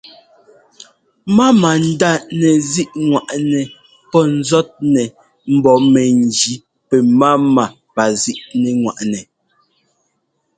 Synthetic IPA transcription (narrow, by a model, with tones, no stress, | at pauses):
ma˦ma˨n̩˦da˦˨nɛ˨zi˦ʔŋwa˨ʔnɛ˨ | pɔ˦n̩˦zɔ˦t̚nɛ˨ | m̩˨bɔ˨˦mɛ˨n̩˨d͡ʒi˨˦ | pɛ˨ma˦ma˨ | pa˨zi˦ʔnɛ˨ŋwa̰˨ʔnɛ˨